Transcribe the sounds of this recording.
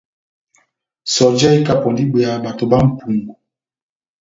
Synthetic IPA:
sɔ˨d͡ʒa˦i˦ka˦pɔ˨ndi˦be˨a˨ba˨to˨ba˦m̩˦pu˨ŋɡu˨

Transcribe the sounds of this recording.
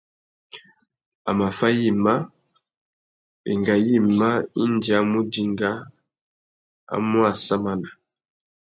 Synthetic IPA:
a˨ma˨fa˦ji˦ma˦ | ḛ˨ŋɡa˨ji˦˨ma˦i˦ndi˨a˨mu˦di˨ŋɡa˦ | a̰˦mwa˨sa˦ma˦na˨

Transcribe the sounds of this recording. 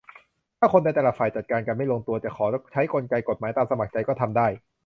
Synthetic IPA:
t̪ʰaː˥˩kʰo˧nda˧jt̪ɛː˨laː˨˩faː˨˩jt͡ɕa˨˩t̪̚kaː˧nka˧nma˥˩jloː˧ŋt̪u˧ɐtt͡ɕ̪ɛ˨˩kʰɔː˩˦t͡ɕʰa˦˥jko˧nka˧jko˨˩t̪̚maː˩˦jt̪aː˧msa˧ma˨˩k̚t͡ɕa˧jkɔː˥˩t̪ʰa˧mdaː˥˩j

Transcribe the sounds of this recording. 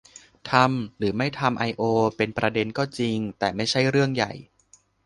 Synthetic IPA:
t̪ʰa˧mɾɯː˩˦ma˥˩jt̪ʰa˧mʔa˧jʔoː˧pe˧npɾa˧de˧nkɔː˥˩t͡ɕi˧ŋt̪ɛː˨˩ma˥˩jt͡ɕʰa˥˩jɾɯ˥˩əŋja̰˨˩j

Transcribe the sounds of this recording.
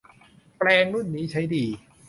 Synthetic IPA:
plɛː˧ŋɾu˥˩nːiː˦˥t͡ɕʰa˦˥jdiː˧

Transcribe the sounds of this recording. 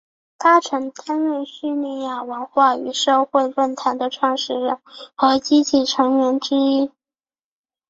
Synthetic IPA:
t̪a˥˩ʈ͡ʂʰɤ˧˥ŋt̪ʰa˥nwe˥˧ɪɕy˥˧li˥˧ja˥˩wə˧˥nxwa˥˩y˧˥ʂo˥˧ʊxwe˥˧ɪwə˥˩nt̪ʰa˧˥nd̪ə˧ʈ͡ʂʰwɑ˥˩ŋʂɻ̩˥˩ɻə˧˥˩nxɤ˧˥t͡ɕi˥t͡ɕʰi˥˩ʈ͡ʂʰɤ˧˥ŋɥɛ˧˥nʈ͡ʂɻ̩˥i˥

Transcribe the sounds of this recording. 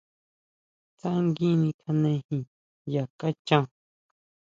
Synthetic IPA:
t͡sa˦ŋɡĩ˦nĩ˧kʰa˧nẽ˧hĩ˧ | ja˨ka˦t͡ʃã˧˦˧

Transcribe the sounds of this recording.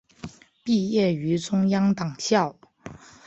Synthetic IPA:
pi˥˧jɛ˥˩y˧˥ʈ͡ʂʊ˥ŋjɑ˥ŋt̪ɑ˨˩ŋɕjɑ˥˩ʊ

